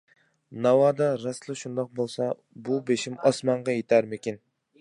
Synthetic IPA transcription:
nɑwɑːd̪ɑɾɑslˠɨʃund̪ɑq̚bolˠsɑ | bubeʃimɑsmɑɴʁɑjet̪ʰæɾmɪkʲin

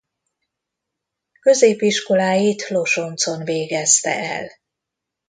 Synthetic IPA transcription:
kø̞zeːpiʃko̞laːjiːt̪lo̞ʃo̞nt̪so̞nveːɡɛst̪ɛ̰ʔɛ̰l

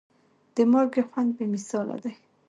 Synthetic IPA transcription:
d̪̥əmɑɾɡexwand̪̚bemɪsɑla̰d̪aj

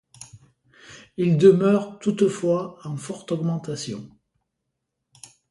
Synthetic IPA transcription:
ild̪əmœʁt̪ut̪fwaɑ̃fɔʁt̪ɔɡmɑ̃t̪asjɔ̰̃

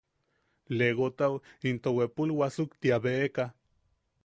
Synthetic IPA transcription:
leɣot̪awint̪owepulwasukt̪iaβeeka

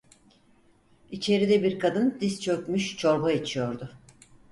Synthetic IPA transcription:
it͡ʃʰe̞ɾid̪ɛbiɾkʰad̪ɯnd̪ist͡ʃʰø̞kmyʃt͡ʃʰo̞ɾbaet͡ʃʰijo̞ɾd̪ʊ

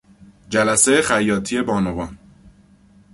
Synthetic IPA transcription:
d͡ʒælæsejexæjːɒːt̪ʰije̞bɒːnovɒːn

